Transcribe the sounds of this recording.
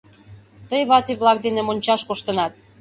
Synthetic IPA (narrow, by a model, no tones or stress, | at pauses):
t̪əjβɑt̪iβlɑk̚d̪enemonʲt͡ɕɑʃkoʃt̪ənɑt̪̚